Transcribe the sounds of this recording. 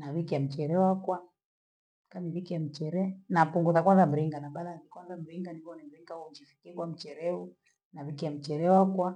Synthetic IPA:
naβikiam̩t͡ʃɛɾɛwakwa | kamiβikiam̩t͡ʃɛɾɛnapuŋɡuðakwanzam̩ɾiŋɡanaɓalanikwanzam̩ɾiŋɡandiβɔnɛm̩ɾiŋɡaum̩t͡ʃifikiɛkwam̩t͡ʃɛɾɛu | naβikiam̩t͡ʃɛɾɛwakwa

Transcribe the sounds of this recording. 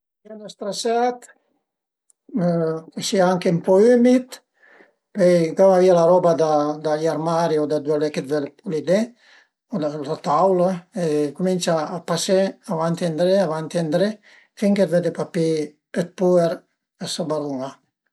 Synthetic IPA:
anast̪ɾasat̪ | kesiaaŋkeympɔymit̪ | pɛjɡawavialaɾɔbad̪ad̪aʎaɾmaɾiod̪ad̪weleked̪ved̪epulid̪e | od̪alat̪awlaekuminsaːpaseavant̪and̪ɾeavant̪iand̪ɾe | fiŋked̪ved̪epapi | et̪̚pueɾ | ɛsabaɾuŋa

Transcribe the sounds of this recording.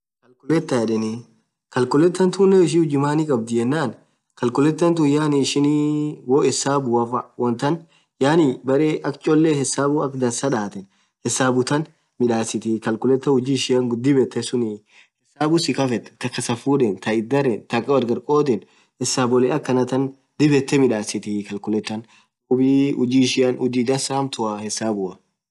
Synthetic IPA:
kɐlkʊlɛt̪ːɐjɛᶑɛnɪ | kɐlkʊlɛt̪ːɐnt̪ʊːnːɛɪʃihʊd͡ʒɪmaːnɪkʼɐb̚d̪ɪjɛnːaːn | kɐlkʊlɛt̪ːɐnt̪̬ʊjaːnɪʃɪniwoːɛsaːbʊwɐfɐwɔnt̪ɐn | jaːnɪbɐɾeːʔɐkt͡ʃʼɔlːeːhɛsaːbʊɐkd̪ɐnsɐᶑaːt̪ɛn | hɛsaːbʊt̪ɐn | mɪᶑaːsɪt̪ɪkɐlkʊlɛt̪ːɐhʊd͡ʒiːʃɪjɐŋɡʊd̪ɪbɛt̪ːɛsʊnɪ | hɛsaːbʊsɪkɐfɛt̪ːɛ̥t̪ːɐkːɐsɐfuːᶑɛnt̪ɐɪd̪ːɐɾɛnt̪ɐkʼːɐwɐɾɡɐɾkʼoːt̪̬ɛn | hɛsːaːbɔlɛɐkːɐnɐt̪ɐn | d̪ɪbɛt̪ːɛmɪᶑaːsɪt̪ɪkɐlkʊlɛt̪ːɐn | ʊbiʊd͡ʒiːʃɪjɐnʊd͡ʒiːd̪ɐnsamt̪ʊɐhɛsːaːbʊɐ

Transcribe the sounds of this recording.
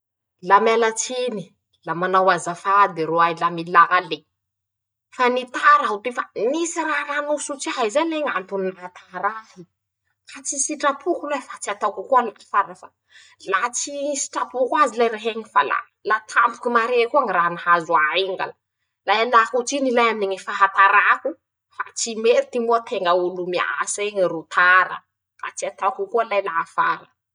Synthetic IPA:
lamalat͡sini | lamanawazafad̪eɾoajlamilaɦale | fanit̪aɾaɦut̪efanisiɾaranusut͡siaɦaizaleŋant̪uninrat̪aŋaɾafi | kat͡sisiʈ͡ʂapʰukulefat͡siat̪awkakualai̥faɾafa | lat͡sisi̥ʈ͡ʂapukwazilajɾeɦeŋifala̰ | lat̪ʰampu̥kumaɾekuaŋiranahazuaeŋɡa̰lə | lajalakut͡sinilajaminiŋifaɦat̪aɾaku | fa̰t͡simeɾit̪imuət̪ʰeŋɡəulumia̰seŋirut̪ʰaɾə̰ | fa̰t͡siat̪akukualajlaafa̰ɾə

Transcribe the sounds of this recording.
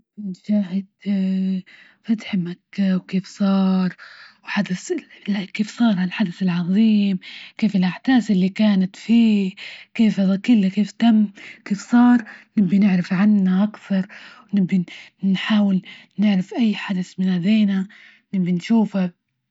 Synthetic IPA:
ɪnʃaːhɪd̪ | fat̪ħmakːawkeːfsˤɑːɾˤwħad̪aθlaʔkeːfsˤɑːɾˤhalħad̪aθɪlʕɑðˤiːmkeːfɪlʔaʕt̪aːsʔɪlːikaːnat̪fiːkeːfaðakɪlːakeːft̪amːkeːfsˤɑːɾˤnɪbːinɪʕɾɪfʕanːaʔakθɑɾˤwnɪbːinħaːwɪlnɪʕɾɪfʔajːħad̪aθmɪnʔad̪eːna | nɪbːinʃuːfa

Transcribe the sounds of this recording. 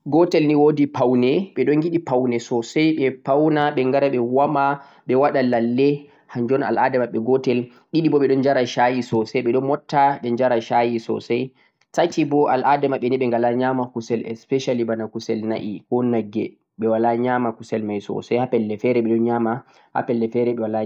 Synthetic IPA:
ɡɔtɛlniwodipawnɛɓɛɗɔŋɡiɗipawnɛsɔsajɓɛpawnaɓɛŋɡaɾaɓɛwama | ɓɛwaɗalalːɛ | haɲd͡ʒɔna̰lʔadɛmaɓːɛɡɔtɛl | ɗiɗibɔɓɛɗɔnd͡ʒaɾaʃajisɔsɛɓɛɗɔnmɔtːaɓɛɲd͡ʒaɾaʃajisɔ̰saj | tatibɔʔalʔadɛmaɓːɛniɓɛŋɡalaɲamakusɛlɛ̰spɛʃalibanakusɛlnaʔikɔnaɡɛ | ɓɛwalaɲamakusɛlmajsɔ̰sajhapɛlːɛfɛɾɛɓɛɗɔnɲama | ha̰pɛlːɛfɛɾɛɓɛwala

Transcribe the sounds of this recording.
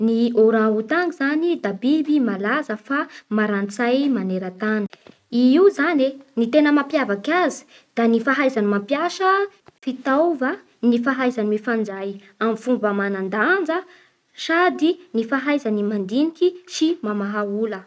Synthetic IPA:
nioɾãut̪aŋɡizanid̪abibimalazəfamaɾant͡sajmaneɾat̪ani̥ | iiuzanenit̪enəmapjavakazi̥ | d̪̥anifaɦajzanimapjaʃə | fit̪ava | nifaɦajzanimifand͡zaj | amifumbəmanand̪and͡zə | sad̪inifaɦajzanimand̪inikisimamaɦaulə

